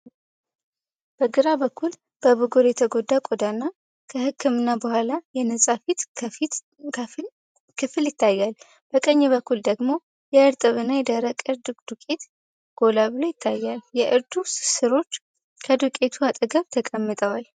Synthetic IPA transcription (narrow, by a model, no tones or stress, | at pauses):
b̥əɡɨɾabəkʰːul | b̥əβɨɡoɾjɛt̪ʰəɡo̞d̪ːakʼod̪anːa | kʰəhɨkʰːɨmɨnːabəhʷalajɛnəsʼafit̪i | kʰɨfɨljɪt̪ʰːajːal | b̥əkʼəɲːɛβəkːuld̪əɡmo̞ | jɛɨɾt̪ʼɨβɨnːajɛd̪əɾəkʼɨɾd̪ɨd̪ukʼet̪ | ɡ̥o̞laβɨlojɪt̪ʰːajːaljɛʔɨɾd̪usɨɾo̞t͡ʃː | kʰəd̪ukʼe̞t̪ʰuat̪ʼəɡəβt̪ʰəkʼəmːɨt̪ʼəwal